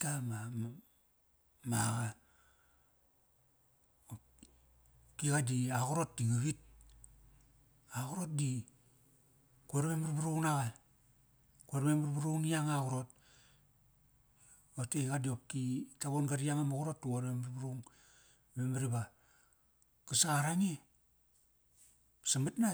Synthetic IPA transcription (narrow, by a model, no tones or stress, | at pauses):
tama | maɣa | o | kikadiakoɾot̚diɡuβit̚ | aɣoɾot̚di | kuaɾmemiɾibuɾunaɣa | kuaɾmemaɾbuɾunijaŋakuɾot̚ | oteɣadiop̚kitaβonɡaɾiaŋamaɣuɾotːuaɾmemɾibɾuŋ | memaɾiba | kasaːɾaŋe | samatna